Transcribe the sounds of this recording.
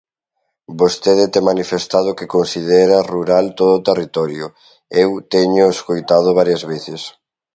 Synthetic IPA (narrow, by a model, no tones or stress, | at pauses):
bost̪eðɪt̪emanifest̪að̞okekonsið̞eɾɐruɾalt̪oðoːt̪erit̪ɔɾjʊ | ewt̪eɲʊeskojt̪að̞ʊβ̞aɾjɐzβeθɪs